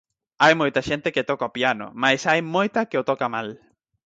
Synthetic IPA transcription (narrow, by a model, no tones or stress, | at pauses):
ajmojt̪aʃent̪eket̪okaopjano̰majsajmojt̪akeot̪okamal